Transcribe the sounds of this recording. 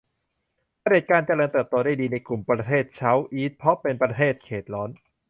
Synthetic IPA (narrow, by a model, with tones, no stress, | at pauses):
pʰa˧de˨˩t̪̚kaː˧nt͡ɕa˧ɾɤː˧nt̪ɤː˨˩p̚t̪oː˧daː˥˩jdiː˧na˧jklu˨˩mpɾa˧t̪ʰeː˥˩t̪̚t͡ɕʰa˦˥wʔiː˦˥t̪̚pʰɾɔ˦˥pe˧npɾa˧t̪ʰeː˥˩t̪̚kʰeː˨˩t̪̚ɾɔː˦˥n